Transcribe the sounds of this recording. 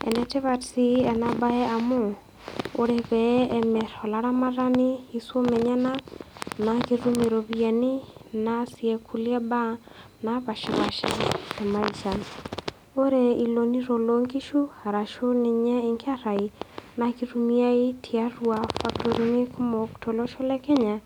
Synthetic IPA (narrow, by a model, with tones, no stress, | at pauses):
ḛ˨nɛ˨te˦βa˨tsi˦e˨na˨ba˦e˦a˨mo˦ | o˦ɾeβɛeme˨ɾo˨la˨ɾa˦maɾa˦ni˦i˦swo˦me˨ɲa˦nanakiɾu˦mi˨ɾo˨βja˨ni˦nasie˨kʰu˦lja˦ba˦ | na˨βa˨ʃɪ˨βa˨ʃḛ˦tɛ˨ma˦i˨t͡ʃa˨n | o˦ɾe˨i˨lo˨ni˦ɾo˨lo˨ŋɡi˦ʃu˦a˨ɾa˨ʃo˦ni˨ɲɛ˦ɪ˨ŋɡa˦ɾa˨i˨na˨ki˦ɾu˦mi˦a˦i˦tʰia˦ɾwa˨fa˦k̚to˨ɾi˦ne˦ku˦mɔ˨ktɔ˨lɔ˦ʃo˦lɛ˦kɛ˦ɲa˨